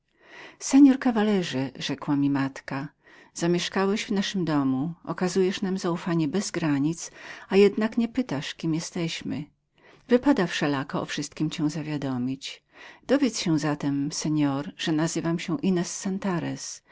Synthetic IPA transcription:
sɛɲɔɾkavalɛʐɘʐɛkwamʲimat̪ka | z̥amʲjɛʂkawɛʑvnaʂɘmd̪ɔmuɔ̰kazujɛʂnamzaufaɲɛbɛzɡɾaɲit̪sajɛd̪nakɲɛpɘt̪aʂkʲimjɛst̪ɛɕmɘ̰ | vɘpad̪afʂɛlakɔɔ̰fʂɘst̪̚kʲimt͡ɕɛ̃w̃zavʲjad̪ɔmʲit͡ɕ | d̪̥ɔvʲjɛt̪sɕɛ̃zat̪ɛmsɛɲɔɾʐ̥ɛnazɘvamɕɛ̃ʔinɛsːɛnt̪aɾɛs

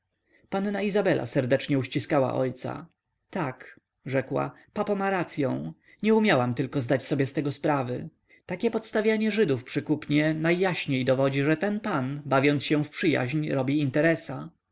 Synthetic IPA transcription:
panːaizabɛlʔa̰sɛɾd̪ɛt͡ʂɲɛuɕt͡ɕiskawa̰ʔɔ̰jt̪sa̰ | t̪ak | ʐɛkwa̰ | papɔmaɾat̪sʲjɔ̃w̃ | ɲɛumʲjawamt̪ɘlkɔzd̪at͡ɕsɔbʲjɛst̪ɛɡɔspɾavɘ | t̪akʲɛpɔt̪st̪avʲjaɲɛʐɘd̪ufpʂɘkupɲɛnajːaɕɲejd̪ɔvɔd͡ʑiʐɛt̪ɛnpanbavʲjɔnt̪sɕɛ̃fpʂɘja̰ʑɲɾɔbʲiint̪ɛɾɛsa

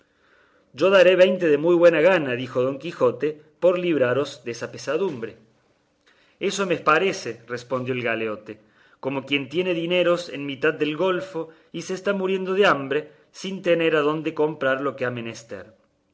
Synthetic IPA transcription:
ʒo̞ðaɾe̞βe̞jnt̪e̞ðemujβwe̞naɣ̞anaðixo̞ðo̞ŋkixo̞t̪e | po̞ɾliβɾaɾo̞zðeesapesaðumbɾe̞ | e̞so̞mepaɾe̞serespond̪joelɣaleo̞t̪e | ko̞mo̞kje̞nt̪jeneðine̞ɾo̞sḛnmit̪að̚ːelɣo̞lfo̞ | iseːst̪amuɾje̞nd̪o̞ðeambɾe̞ | sint̪ene̞ɾaðo̞nd̪e̞ko̞mpɾaɾlo̞keame̞nest̪ḛɾ

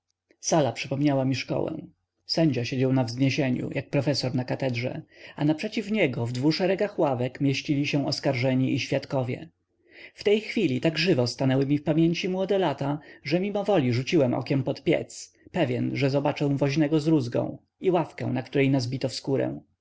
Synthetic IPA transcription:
salapʂɘpɔmɲawamʲiʂkɔ̰wɛ̰w̃ | sɛɲd͡ʑaɕed͡ʑawnavzɲeɕeɲṵjak̚pɾɔfɛsɔɾnakat̪ɛdʐɛ̰anapʂɛt͡ɕifɲɛɡɔvd̪vuʂɛɾɛɡaxwavɛkmʲjeɕt͡ɕilʲiɕɛ̃ɔskaɾʐɛɲiʔiɕfʲjat̪kɔvʲjɛ̰ | ft̪ɛjxfʲilʲit̪aɡʐɘvɔst̪anɛwɘmʲifpamʲjeɲt͡ɕimwɔd̪ɛlat̪aʐɛmʲimɔvɔlʲiʐut͡ɕiwɛmʔɔ̰kʲɛmpɔt̪pʲjɛ̰t̪s | pɛvʲjɛnʐɛzɔbat͡ʂɛ̃w̃vɔʑnɛɡɔzɾuzɡɔ̰̃w̃ | iwafkɛ̰̃w̃nakt̪uɾɛjnazbʲit̪ɔfskuɾɛ̰̃

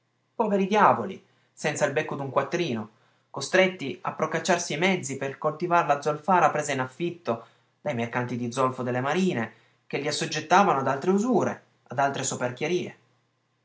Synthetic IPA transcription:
pɔveɾid̪jaːvoli | sɛnt̪sailbekːod̪uŋkwat̪ːɾiːno | kost̪ɾet̪ːia̰pːɾokat͡ʃːarsiajmɛd̪zːiperkolt̪ivaɾelad̪zolfaːɾapɾeːzainafːit̪ːo | d̪̥ajmerkant̪id̪id̪zɔlfod̪elːemaɾiːne | k̟eʎːiasːod͡ʒːet̪ːaːvanoad̪alt̪ɾeuzuːɾḛ | ad̪alt̪ɾesoperk̟jeɾiːḛ

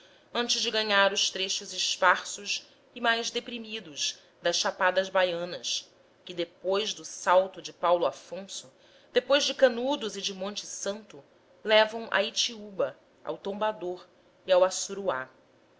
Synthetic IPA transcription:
ɐ̃nt͡ʃɪʒd͡ʒɪɡɐɲaɾʊʃt̪ɾeʃʊzɪʃpaɾsʊʃ | ɪmajzd̪epɾimid̪ʊz | d̪ɐsʃapad̪ɐzbajɐ̃nɐs | kɪd̪epojzd̪ʊsawt̪ʊd͡ʒɪpawlʊafõsʊ | d̪̥epojʒd͡ʒɪkɐnud̪ʊzɪd͡ʒɪmõnt͡ʃɪsɐ̃nt̪ʊ | lɛvɐ̃w̃ʔɐ̰it͡ʃiubɐ | a̰wt̪õbad̪oɾ | iawasuɾua̰

